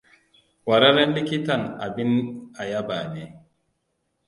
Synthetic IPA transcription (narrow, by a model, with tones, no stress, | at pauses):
wa˨ɾa˦ɾa˦nli˦ki˦ta˦˨na˨bi˦na˨ja˦ba˨ne˨